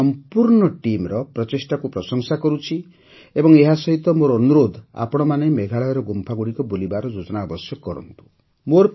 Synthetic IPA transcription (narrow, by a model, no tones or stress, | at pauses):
ɔmpuɾɳɔʈimɾɔpɾɔt͡ʃesʈakupɾɔsɔŋsakɔɾut͡ʃʰi | ebɔŋeɦasɔɦit̪ɔmoɾɔːnuɾod̪ʱa̰pɔɽ̃ɔmanemeɡʱaɭɔɔɾɔɡompʰaɡuɽikɔbolibaɾɔd͡ʒod͡ʒɔnaːbɔsjɔkɔɾɔ̰nt̪u̥ | moɾ